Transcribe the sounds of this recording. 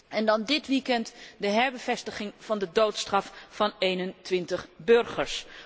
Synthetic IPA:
ɛndɑndɪtʋikɛntdəɦɛɹbəvɛstəχɪŋv̥ɑndədowtstrɑffɑnejnəntʋɪntəχbɵɹχəɹs

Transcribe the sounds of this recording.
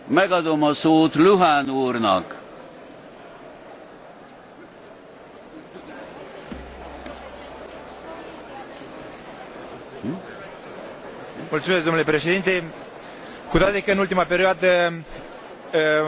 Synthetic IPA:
mɛɡɒd̪o̞mɒsoːt̪luɦanuːrnɒ̰k | mult̪sumeskd̪onulepɾeʃed̪int̪e | kud̪ad̪ekənult̪imapeɾiad̪ə

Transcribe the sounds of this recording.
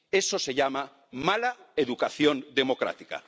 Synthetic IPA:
esose̞ʎama | malaeðukaθjond̪emokɾa̰t̪ika̰

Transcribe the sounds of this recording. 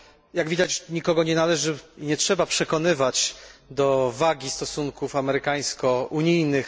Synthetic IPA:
jaɡvʲid̪at͡ɕɲikɔɡɔɲɛnalɛʐɘɲɛtʂɛbapʂɛkɔn̪ɘvat͡ɕd̪ɔvaɡʲist̪ɔsuŋkufamɛɾɘkaj̃skɔuɲijnɘx

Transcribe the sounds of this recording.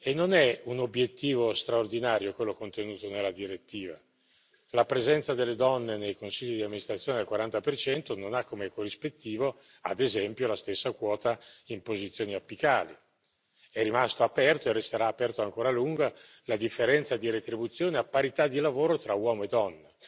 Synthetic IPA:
enːonɛunobːjet̪ːiːvost̪ɾaord̪inaːɾjokwelːokont̪enuːt̪onelːad̪iɾet̪ːiːva | lapɾezɛnt̪sad̪elːed̪ɔnːenejkonsiʎːid̪iamːinist̪ɾat̪ːjoːned̪elkwaɾant̪apert͡ʃɛnt̪ononakːomekorːispet̪ːiːvo | a̰d̪ezɛmpjolast̪esːakwɔːt̪aimpozit̪sːjoːniapːikaːli | ɛrːimast̪oapɛrt̪oerest̪eɾaːpɛrt̪oaŋkoːɾaluŋɡalad̪ifːeɾɛnt̪sad̪iɾet̪ɾibut̪sːjoːneapːaɾit̪ad̪ːilavoːɾot̪ɾawɔːmoed̪ːɔnːa

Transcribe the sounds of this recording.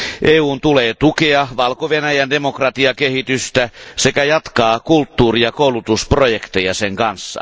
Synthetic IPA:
ʔeːuːnt̪uleːt̪ukeɑʋɑlkoʋenæjænde̞mo̞krɑt̪iɑkehit̪yst̪æse̞kæjɑt̪kɑːkult̪ːuːriɑko̞ulut̪usprojekt̪ejɑseŋkɑnsːɑ̰

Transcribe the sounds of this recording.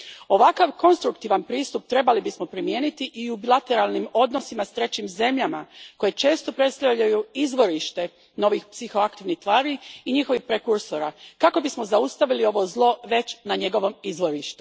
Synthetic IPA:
o̞ʋakaʋko̞nst̪ɾukt̪iʋanpɾiːst̪up̚t̪ɾe̞balibismo̞pɾimje̞ːnit̪iʔiubilˠat̪e̞ɾalˠnimo̞d̪no̞simast̪ɾe̞t͡ɕimze̞mʎamako̞jet͡ʃe̞ːst̪o̞pɾe̞t̪st̪aʋʎajuizʋo̞ɾiʃt̪e̞ | no̞ʋixpsixo̞akt̪iʋnixt̪ʋaːɾiiɲixo̞ʋixpɾekuɾsoɾa̰kako̞bismo̞zaust̪aʋilio̞ʋo̞zlˠo̞ʋe̞t͡ɕnaɲe̞ɡo̞ʋo̞mizʋo̞ɾiʃt̪u

